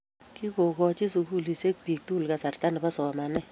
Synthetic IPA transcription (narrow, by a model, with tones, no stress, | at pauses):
ki˦ko˨kɔ˦t͡ʃɪ˦su˨ku˦˨li˨se˦k̚pi˨k̚tu˦lka˨sa˨rta˦nɛ˨pa˦sɔ˨ma˨nɛ˦